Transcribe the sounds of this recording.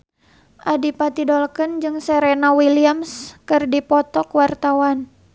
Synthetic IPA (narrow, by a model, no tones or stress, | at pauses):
ʔadipat̪idɔlkənd͡ʒɨŋsɛɾɛnawiliamskɨrdipɔt̪ɔkwart̪awan